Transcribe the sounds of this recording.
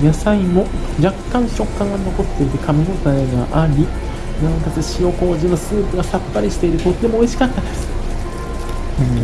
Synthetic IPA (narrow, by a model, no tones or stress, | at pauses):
jasaimo̞d͡ʑakːãɰ̃ɕo̞kːãŋɡano̞ko̞t̪ːe̞it̪ekʰamʲimo̞t̪aeɡaʔaɾʲi | nãŋk̪at͡sɨɕijo̞ko̞ːʑĩnːo̞sɨːpɯ̟ɡasapːaɾʲiɕi̥t̪e̞iɾɯ̟t̪o̞t̪ːe̞mo̞ːiɕi̥kat̪ːad̪e̞sɨ̥